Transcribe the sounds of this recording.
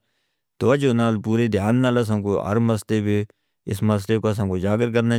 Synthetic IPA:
t̪oːəd͡ʒoːnaːlpuːɾeːd̪ʱjaːnːaːləs̬ãːkoːə̰ɾməsleːbiː | ɪ̰sməs̬leːkoːəs̬ãːkoːd͡ʒaːɡəɾkəɾnaː

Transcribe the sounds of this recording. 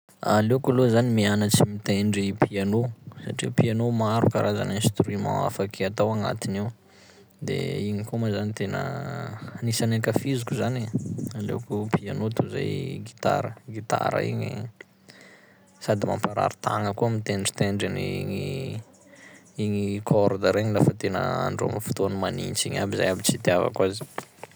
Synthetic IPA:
alewkulozanimianət͡simit̪eɳɖ͡ʐipʰianosaʈ͡ʂiupianomaɾukaɾʔaza̰ninst̪ɾimã̰a̰fakʰeat̪awaŋa̰t̪iniw | d̪ḛiɲikomazanit̪enə̰ | nisanekafizukuzanealḛwkupʰianot̪uza̰jɡit̪a̰ɾəɡit̪a̰ɾə̰ḭɲḭ | sad̪ima̰mpaɾa̰ɾit̪aŋəkuəmit̪eɳɖ͡ʐi̥t̪eɳɖ͡ʐeniiŋi | iɲikʰɔɾd̪aɾeɲilafət̪enə̰a̰ɳɖ͡ʐo̰mifu̥t̪oanimanint͡siɲabiza̰jabit͡sit̪iava̰kwazi̥

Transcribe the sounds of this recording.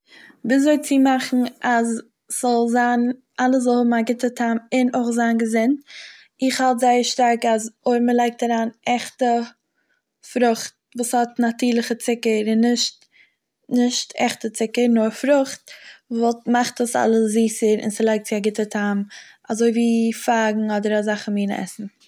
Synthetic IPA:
viːszoɪt͡sɪmaχn̩az | z̥ɔlˠzaːn | ʔalˠəszɔlˠhʊbm̩aɡɪtətʰamɪnoɪχzaːnɡəzɪnt | ɪχhalˠtzaɪəɾʃtaɾkazoɪɾməlˠaɪk̚taɾaːnɛχtə | fɾʊχt̚ | vuːshɔtnatyːɾlˠəχət͡sɪkəɾɪnːɪʃt | nɪʃtɛ̰χtət͡sɪkəɾnʊɾfɾʊχtvɔlˠtmaχtəsa̰lˠəsziːsəɾɪ̰nsilˠaɪk̚tt͡sɪaɡɪtətʰam | azoɪviːfaːɡŋ̩ɔdəɾazaχn̩miːnɛ̰sn̩

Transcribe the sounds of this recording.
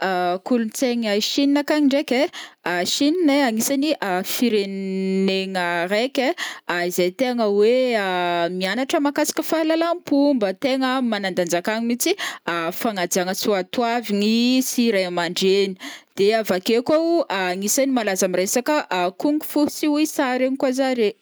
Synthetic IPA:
akulunt͡seŋajʃininakaŋiɳɖ͡ʐekʲeaʃinineaŋisaniʔafiɾenneŋəɾekʲeaizejt̪eŋəweamianaʈ͡ʂəmakasḁkəfalalampumbət̪eŋəmanand̪and͡ʒakaŋimit͡siafaŋad͡ziaŋəsuat̪waviŋisiɾajamaɳɖ͡ʐeni̥d̪̥eavakekaaŋisanimalazamiɾesakəʔkuŋɡufusiuisaɾeŋikwazaɾe

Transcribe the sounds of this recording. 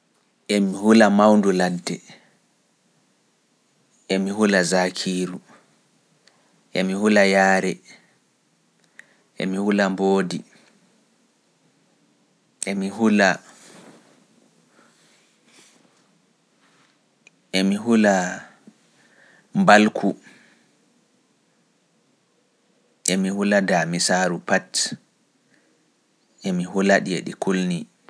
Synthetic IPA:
ʔɛmihulamawnduladːɛ | ɛmihulazakʰiːɾu | ʔɛmihulajaːɾɛ | ʔɛ̰mihulamboːdi | ʔɛmiɦula | ʔemiɦula | mbalkʰu | ʔemihuladamisaːɾupat | ʔemiɦulaɗiḛɗikulni

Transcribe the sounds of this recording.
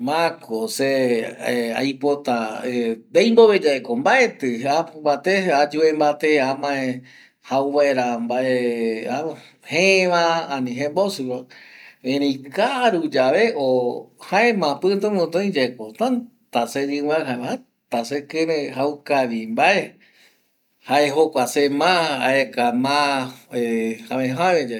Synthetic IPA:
mãkose | a̰jpot̪aed̪ejmboβed͡ʒaekombaʔet̪ɨabat̪ead͡ʒuembat̪eamãẽ | hawβaeɾambaʔea | heʋããnĩɦẽmbosuɾoẽɾĩkaɾud͡ʒaʋeʔohaemãpɨt̪õmõt̪õĩd͡ʒekot̪ãn | t̪ased͡ʒɨwaɦaeaa | t̪asekemẽɦaukaʋimbae | haeɦokʷasemãa̰ekamãehamẽɦamed͡ʒa

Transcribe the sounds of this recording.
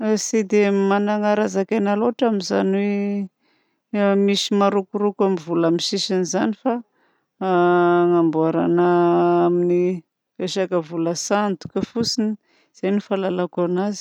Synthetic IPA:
sid̪emanaŋaɾazakenaloʈ͡ʂaminza̰nwe | misimaɾukuɾukamivulamiʃiʃinizanifa | ŋambuaɾa̰nəamini | eʃakəvuləsant̪u̥kəfusini | z̥ajnifalalakanazi̥

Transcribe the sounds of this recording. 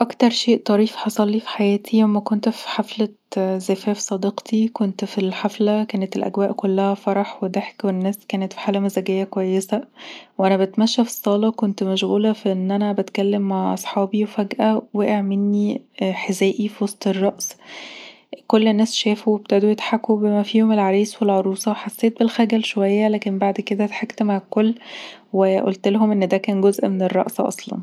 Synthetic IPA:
ʔɑkt̪ɑɾˤʃeːʔt̪ˤɑɾiːfħɑsˤɑlːiːfi̥ħajæːt̪ʰilæmːækont̪fi̥ħaflæ | zæfæːfsˤɑd̪eqt̪ʰikont̪filħaflækæːnet̪elʔæ̰ɡwæːʔkolːæhæfɑɾˤɑħwed̪æħkwennːæːskæːnet̪fi̥ħaːlæmæzæɡejːækwæjːesæwʔænæbæt̪mæʃːæfi̥sˤːɑːlɑkont̪mæʃɣuːlæfiʔenːʔænæbæt̪kælːemːaʕʔɑsˤħɑːbiwefæɡʔæweʔeʕmenːiħezæːʔifiwɑsˤt̪ˤerˤːɑʔs | kolːnːæːsʃæːfuwebt̪æd̪ojet̪ħakːubemæfiːhomelʕaɾiːswelʕoɾˤuːsˤɑweħasːeːt̪̚belxæɡælʃowæjːælæːkenbaʕd̪ked̪æt̪ħakt̪maʕalkolːweʔo̰lt̪lɦomʔenːd̪ækæːnɡozʔmenerˤːɑ̰ʔsʔɑ̰sˤlɑ̰n

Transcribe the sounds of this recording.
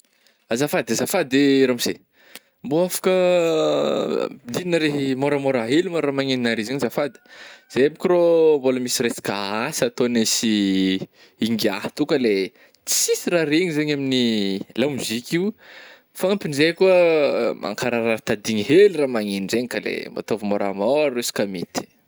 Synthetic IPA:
azafad̪azafad̪d̪eɾamise | mboafḁkə | id̪ininəɾeɦimoɾəmoɾaɦelumoɾramaŋeninaɾizeɲizafad̪ə̥z̥eabikʲromboləmisiresi̥kaasat̪onesi | iŋɡiaht̪ukəle | t͡si̥sisiraɾeɲizeɲaminilamizikʲiw | faampinzekuəmʔa̰ŋkaɾaɾat̪ad̪iɲiɦelramaŋinizeɲikalḛmba̰t̪ovəmoɾa̰mɔɾisi̥kamit̪i̥

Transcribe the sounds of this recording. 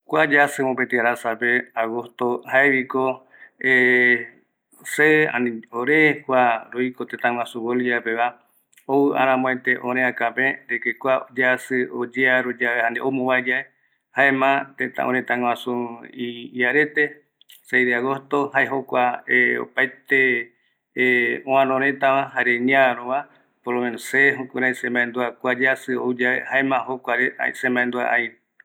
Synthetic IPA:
kʷad͡ʒasɨmõpet̪iaɾasapeaɣost̪ohaeβiko | e | seã̰nĩoɾekʷaɾoikot̪ẽt̪ãŋwãsũβoliapeβa | owɨʔã̰ɾ̃ãmõet̪e̞ʔõɾẽakapẽɾekekʷad͡ʒasɨod͡ʒeaɾod͡ʒaehãnd̪eʔomõwad͡ʒae | haẽmãt̪ẽt̪ã̰ʔõɾ̃ẽt̪ãŋw̃ãsũiiaɾet̪e | sejðaɣost̪ohaeɦokʷaeo̰pajt̪e | õãnõɾẽt̪ãʋãɦaɾeɲãɾoβa | polomenoseɦokuɾajsẽmbãend̪uakʷad͡ʒasɨo̰ud͡ʒaḛhaemãɦokʷaɾea̰sẽmbãẽnd̪uaʔajɾe

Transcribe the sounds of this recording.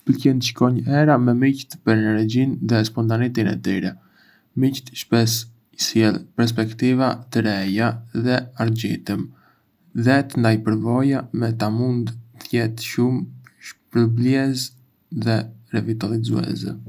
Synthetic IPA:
pəlcɛnʃkɔɲɛɾamɛmict̪pəɾɛnɛɾd͡ʑinðɛspɔnt̪anit̪inɛ̰t̪iɾɛ | mict̪ʃpɛs | isjɛlˠpɛɾs̬pɛkt̪ivat̪əɾɛjaðɛaɾd͡ʑit̪əm | ðɛt̪ənd̪ajpəɾvɔjamɛt̪amund̪t̪jɛt̪ʃumʃpɾəbliɛz | ðɛɾɛvit̪alˠizṵɛ̰zɛ̰

